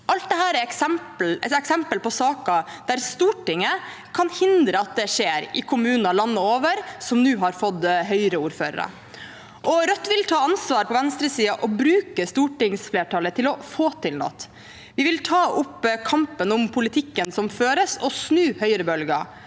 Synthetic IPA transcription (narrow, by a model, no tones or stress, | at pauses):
ʔɑlt̪̚d̪ɛhæːɾæɾɛksɛmpl̩ɛɛksɛmpəlpʰɔsɑːkɑd̪̥æɾst̪uːʈɪŋːə | kʰɑnhɪnd̪ɾəɑt̪̚d̪ɛʂeːɾɪkʰʊmʉːnnɑlɑnːəoːʋəɾsɔmnʉːɦɑɾfɔd̪ɦœʏɾəuːɾføːɾə̰ɾə̰ | ʔɔɾœt̪ːʋɪlt̪ʰɑːɑnsʋɑːɾpʰɔʋɛnst̪ɾəsiːɑʔɔbɾʉːkəst̪uːʈɪŋsfleːʈʰɑːlət̪ʰɪlɔfoːt̪ʰɪlnɔ̰t̪ | ʋɪʋɪlt̪ʰɑːʔʊpːkʰɑmpənʊmpʰʊlɪt̪ʰɪkːənsɔmføːɾəsɔsnʉːhœʏɾəbœlɡɑ̰